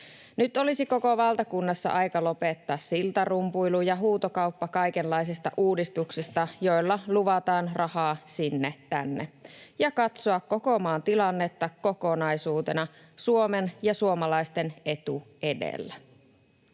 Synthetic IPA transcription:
nyt̪o̞lisiko̞koʋɑlt̪ɑkunːɑsːɑ̰ʔɑjkɑlo̞pet̪ːɑːssilt̪ɑrumpujlujɑɦuːt̪okɑuwpːɑkɑjkenlːɑjsist̪ɑ̰ʔuːdist̪uksist̪ɑjo̞jlːɑluʋɑt̪ɑːnrɑhɑːsinːet̪ænːḛjɑkɑt̪soɑkko̞ko̞mɑːnt̪ilɑnːe̞t̪ːɑko̞konɑjsuːt̪e̞̰nɑ | suo̞menjɑsuomɑlɑist̪ene̞t̪ue̞dḛlːæ

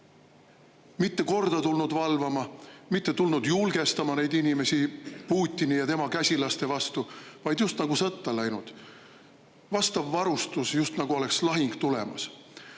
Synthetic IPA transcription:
mit̪ːe̞ko̞rd̪̥ɑt̪ulnud̪vɑlvɑmɑmit̪ːe̞t̪ulnud̪̥julɡe̞st̪ɑmɑne̞jd̪inʲime̞sipuːt̪ʲːˑinijɑt̪e̞mɑkæsʲilɑst̪e̞vɑst̪uvɑjd̪̥just̪nɑɡ̥usɤt̪ˑːɑlæjnud̪̥ | vɑst̪ɑvːɑɾust̪usjust̪nɑɡ̥uo̞le̞kslɑɦiŋɡ̥t̪ulḛmɑ̰s

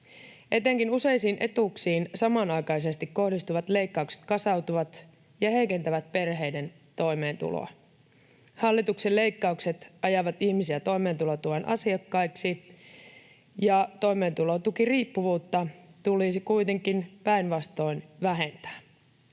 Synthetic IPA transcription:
ʔe̞t̪ːeŋkinuse̞jsiːnʔe̞t̪uksiːnsɑmɑnɑjkɑjse̞st̪ikko̞hdist̪uʋɑt̪le̞jkːɑukse̥t̪kɑsɑwt̪uʋɑt̪ | jɑhe̞jke̞nt̪æʋæt̪̚pe̞rɦe̞ide̞n | t̪o̞jme̞ːnt̪ṵlo̰ɑ̰ | hɑlːit̪uksele̞jkːɑukse̞t̪ɑjɑʋɑt̪içmisiæt̪o̞jme̞ːnt̪ulot̪uʋɑnʔɑ̰siɑkːɑjksi | jɑt̪o̞ime̞ːnt̪ulo̞t̪ukiriːpːuʋuːt̪ːɑt̪ulisikuit̪e̞ŋkinpæinʋɑst̪o̞inʋæɦe̞nt̪æ̥ː

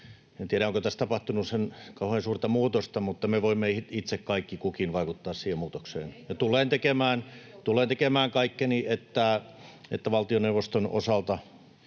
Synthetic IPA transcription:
ent̪iæɾæoŋkot̪æst̪ɑpɑht̪unussenkɑuheːnsuːrt̪ɑmuːt̪ost̪ɑmut̪ːɑmeʋoimːeit̪sekkɑikːikukinʋɑikut̪ːɑːssiːhemmuːt̪oksḛːnjɑt̪ulˑeːnt̪ekemæːnt̪uleːnt̪ekemæːŋkɑikːeniet̪ːæḛt̪ːæʋɑlt̪ioneuwʋːˑost̪ono̰sɑlt̪ɑ

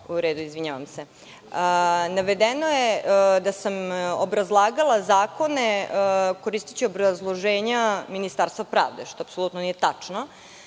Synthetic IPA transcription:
uɾeːd̪uizʋiɲaʋamse | ənaʋe̞d̪enojed̪asamobɾazlˠaːɡalˠazaːko̞ne̞ko̞ɾiːst̪i̥t͡ɕiobɾazlˠo̞ʒeːɲaminist̪aɾst̪vapɾa̰ːʋd̪eʃt̪oapsoluːt̪nonijet̪at͡ʂno

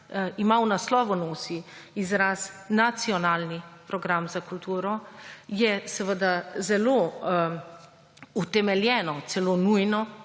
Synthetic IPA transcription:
imawnaslɔːʋɔnoːsiizɾasnat̪siɔnaːlnipɾɔɡɾamzakult̪uːɾɔjɛsəʋəd̪azɛloː | ut̪ɛmɛljɛːnɔt̪sɛlonujnɔ

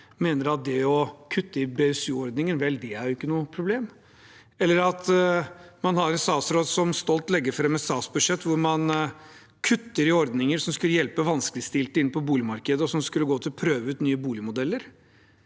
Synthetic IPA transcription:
meːnəɾɑt̪̚d̪ɛɔkʰʉt̪ːəɪbeɛsʉːɔɾd̪nɪŋənʋɛld̪ɛæɾjʊɪkːənuːəpʰɾʊbleːm | ɛlːəɾɑt̪ | mɑnhɑɾɛnsɑːsɾoːd̪sɔmst̪ɔlt̪lɛɡːəɾfɾɛmːəsɑːsbʉd̪ʂɛt̪ːʋʊɾmɑn | kʰʉt̪ːəɾɪɔɾd̪nɪŋəɾsɔmskʉlːəjɛlpəʋɑnskəlɪst̪ɪlt̪əɪnːəpʰɔbuːlɪmɑɾkəd̪əɔsɔmskʉlːəɡoːt̪ʰɪlpʰɾøːʋəʉːt̪nyːəbuːlɪmʊd̪ɛlːəɾ

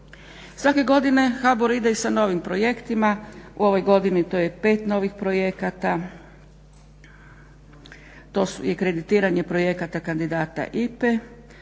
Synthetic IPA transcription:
sʋake̞ɡo̞d̪ine̞xaboɾid̪eisano̞ʋimpɾo̞je̞kt̪imaṵo̞ʋo̞jɡo̞d̪init̪oːje̞pe̞ːt̪no̞ːʋixpɾo̞je̞kat̪a | t̪osujekɾe̞d̪it̪iːɾaɲe̞pɾo̞je̞kat̪akand̪id̪aːt̪a̰ʔipe

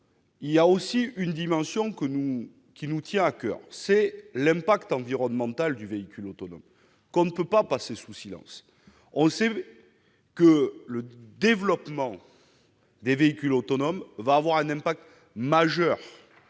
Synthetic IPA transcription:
iljaosiynd̪imɑ̃sjɔ̃kənu | kʲinut̪jɛ̃akœ̰ʁsɛlɛ̃pakt̪ɑ̃viʁɔnmɑ̃t̪ald̪yveikʲylot̪ɔnɔm | kɔ̃nəpøpapasesusilɑ̰̃s | ɔ̃sɛ | kələd̪evlɔpmɑ̃ | d̪eveikʲylot̪ɔnɔmvaːvwaʁɛ̃nɛ̃pak̚t̪ | maʒœʁ

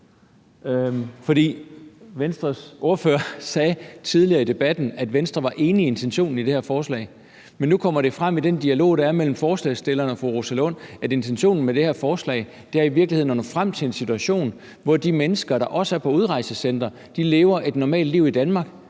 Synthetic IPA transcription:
fɒ̽d̥ḭːʋensd̥ʁɐsʔo̝ɐføːɐsɛːt͡sʰiðˠliɐːid̥e̝b̥æd̥n̩æd̥ʋensd̥ʁɐʋɑ̈ʔe̝ːnəie̝nt͡sʰenɕo̝̰ːnn̩id̥e̝hæɐ̰fɒːslɛ̰ɪ | menːukʰɒ̽m̰ɐɾ̥e̝fʁam̰id̥end̥iælo̝̰ːɾ̥ɑ̈æɐmel̰m̩fɒːslɛ̰ɪsd̥e̝lɐːnɒ̽foʁoselo̰næde̝nt͡sʰenɕo̝̰ːnn̩meɾe̝hæɐfɒːslɛ̰ɪ | d̥e̝æɐiʋiɐɡ̥liheð̰ˠnːɒdufʁam̰t͡sʰe̝le̝nsit͡sʰuæɕo̝̰ːn | ʋɒd̥imenəsɡ̥ɐɾ̥ɑ̈ʔɒ̽səæɐpʰɒ̽uð̞ˠʁɑ̈ɪ̰səsen̰d̥ʁɐ | d̥ile̝ːʊɐʔe̝d̥nɒmɛ̰ːld̥liʊ̰id̥ænmɑ̈ːɡ̥

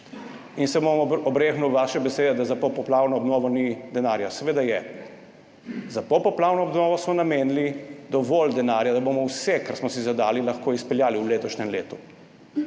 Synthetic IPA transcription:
insɛbomɔbɾeːxnuwʋaʃɛbɛseːd̪ɛd̪azapɔpɔplaːwnɔːbnɔːʋɔnid̪ɛnaɾjasɛʋeːd̪ajɛ | zapɔpɔplaːwnɔːbnɔːʋɔsmɔnameːnlid̪ɔʋɔld̪ɛnaːɾjad̪abomɔwsɛkaɾsmɔsizad̪aːlilaxkoispɛljaːliwleːt̪ɔʃnɛmleːt̪u

